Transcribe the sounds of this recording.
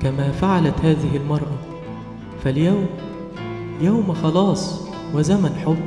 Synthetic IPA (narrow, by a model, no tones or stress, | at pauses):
kæmæːfaʕalæt̪haːðɪɦɪlmɑɾˤʔɑ | fæljæwm | jawmxɑlɑːsˤ | wɪzæmænħobː